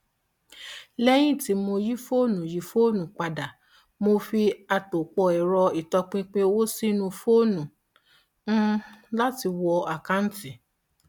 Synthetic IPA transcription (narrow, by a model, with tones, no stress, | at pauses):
lɛ˦j̃ĩ˦˨ti˨˦mo˧ji˦fo˦˨nũ˨ji˨˦fo˦˨nũ˨k͡pa˨da˨ | mo˧fi˧a˧to˨k͡pɔ˧ɛ˨ɾɔ˧i˨tɔ˧k͡pĩ˧k͡pẽ˦˧wo˦si˦nũ˧fo˦˨nũ˨˦ | la˦ti˧wɔ˧a˨ka˨˦n̩˦ti˨